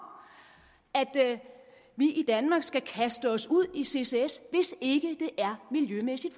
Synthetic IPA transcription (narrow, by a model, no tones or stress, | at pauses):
æd̥ | ʋiʔid̥ænmɑ̈ːɡ̥sɡ̥ækʰæsd̥əɒ̽suð̞̰ˠise̝se̝esʋe̝se̝ɡ̥əd̥e̝ʔæɐmiljømesid̥